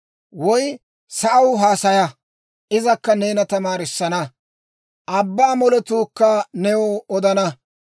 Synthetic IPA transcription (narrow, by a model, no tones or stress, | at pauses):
wɔj | sɐʔɐwɦaːsɐjɐ | ʔɪzɐkːɐne̞ːnɐt̪ɐmaːɾɪsːɐnɐ | ʔɐbːaːmɔlɛt̪uːkːɐnɛwɔɔd̪ɐnɐ